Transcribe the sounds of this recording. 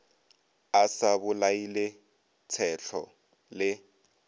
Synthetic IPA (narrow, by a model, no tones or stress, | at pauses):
asabʊlailɪ | t͡sʰɛɬʰɔ | lɪ